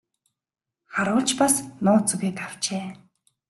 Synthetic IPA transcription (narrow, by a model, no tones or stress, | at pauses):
χaɾʊːɮt͡ɕpasnʊːt͡suɣeːkaw̥t͡ɕeː